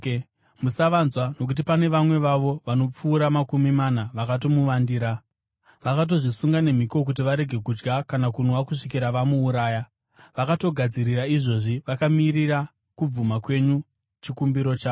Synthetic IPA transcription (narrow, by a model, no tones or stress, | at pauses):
musaʋanzwano̞k̬ut̬ipane̞ʋamwe̞ʋaʋo̞ʋano̞p͡fuːɾamakumimanaʋakatomuʋandiːɾa | ʋakat̬o̞ʐisuŋɡane̞m̤iko̞k̬ut̬iʋaɾe̞ɡʱe̞kud͡ʒɡakanakunwakuʂikiɾaʋamuːɾaːja | ʋakato̞ɡʱad͡ziɾiraiʐo̞ʐiʋakamiːɾira | kub͡vumakwe̞ɲu | t͡ʃikumbiɾo̞t͡ʃaːo